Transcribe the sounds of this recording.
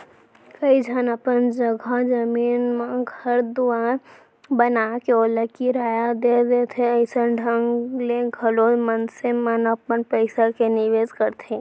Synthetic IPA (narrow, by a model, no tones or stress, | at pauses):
kəid͡ʒʱənəpənd͡ʒəɡʱad͡ʒəmiːnmãɡhəɾd̪ʊaː | bənaːkeoːləkiɾaːjad̪ed̪et̪ʰeəɪsəɖʱə̃ŋɡlẽɡʰʱəlomənsemənəpənpəɪsakenɪʋeːzkəɾt̪ʰẽ